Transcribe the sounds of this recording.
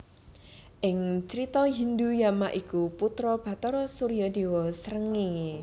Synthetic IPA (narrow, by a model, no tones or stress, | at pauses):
ʔɪŋt͡ʃəɾit̪ɔɦind̪ujamaʔikuput̪ɾɔb̥ä̤t̪ɔɾɔsuɾijɔd̪e̤wɔsəɾəŋi